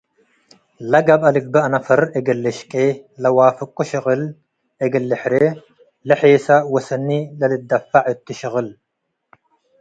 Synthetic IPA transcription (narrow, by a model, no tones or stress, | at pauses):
lɐɡɐbɐlɪbːɐɐnɐfɐɾeɡɐlːɐʃkʼelɐwaːfɨkʼːʊʃɪɣɨl | eɡɐlːɪħɾe | lɐħeːsɐwɐsɐnːilɐlɨd̪ːɐfːaʕɨt̪ːɪʃɪɣɨl